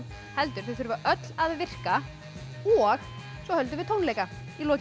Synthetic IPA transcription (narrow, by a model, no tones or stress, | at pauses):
hɛlt̪ʏɾ̥θeθʏɾʏvaʔœt̪laðvɪr̥ka | ɔɣ | sɔhœlt̪ʏvɪt̪ʰoːwnlejka | ilɔːc